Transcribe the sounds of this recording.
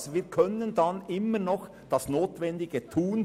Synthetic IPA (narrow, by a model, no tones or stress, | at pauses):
sviːkʰœnəndɑnɪmːənɔχ | d̥ɑsnoːtvɛndɪɡətʰuːn